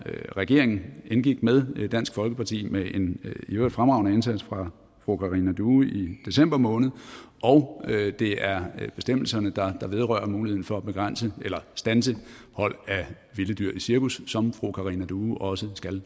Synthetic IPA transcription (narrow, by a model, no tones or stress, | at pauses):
ʁɛɡ̥e̝ɐ̰eŋn̩enɡ̥iɡ̥með̞ˠd̥æn̰sɡ̥fɒ̽lɡ̥əpʰɑ̈t͡sʰḭːmeʔe̝niø̥fʁamɑ̈ʊnəe̝nsæd̥sfʁɑ̈ | fʁokʰɑ̈ʁinæd̥uːid̥e̝sem̰b̥ɐmɔ̽ːnð̞̩ˠʔɒʊd̥e̝æɐb̥e̝sd̥em̰l̩sɐnəd̥ɑ̈d̥ɑ̈ʋe̝ð̞ˠʁœɐmuːlieðˠn̩fɒ̽æb̥e̝ɡ̥ʁan̰səelɐsd̥ænsə | hɒ̽l̰æ | ʋiləd̥yɐ̰isiɐkusːɒ̽mfʁokʰɑ̈ʁinæd̥uːʔɒ̽səsɡ̥æl